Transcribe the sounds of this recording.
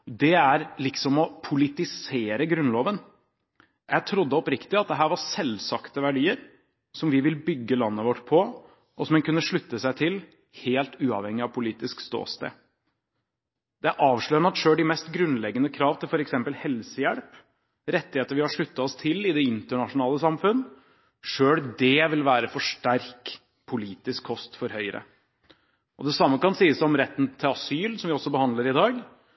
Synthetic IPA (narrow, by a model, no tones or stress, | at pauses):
d̪ɛæɾlɪksɔmɔpʰʊlɪt̪ɪseːɾəɡɾʉnloːʋən | jæɪt̪ʰɾʊd̪ːəɔpɾɪkt̪ɪɑt̪̚d̪ɛɦæːɾʋɑɾsɛlsɑkt̪əʋæɖiːəɾ | sɔmʋɪʋɪlbʏɡːəlɑnːəʋɔʈːpʰɔ | ʔɔsɔmɛnkʉnːəʂɭʉt̪ːəsæɪt̪ʰɪl | heːlt̪ʉːɑ̰ʋhɛŋːɪɑʋpʰʊliːt̪ɪskst̪o̰ːst̪ḛː | d̪̥ɛæɾʔɑːʋʂɭœʏənəɑt̪ʂøːɖɪmɛst̪ɡɾʉnlɛɡːənəkʰɾɑːʋt̪ʰɪlfɔɾɛksɛmpəlhɛlsəjælp | ɾɛt̪ːɪheːt̪əɾʋɪhɑʂɭʉt̪ːɑɔst̪ʰɪlɪd̪ɛɪnt̪əɳɑʂʊnɑːləsɑmfʉnː | ʂøːɽd̪ɛʋɪlʋæːɾəfɔʂʈæɾk | pʰʊliːt̪ɪskʰːɔst̪fɔɾhœʏəɾə̰ | ʔɔd̪ɛsɑmːəkɑnsiːəsɔmɾɛt̪ːn̩t̪ʰɪlɑsyːlsɔmʋɪɔsːɔbəhɑnd̪ləɾɪd̪ɑːɡ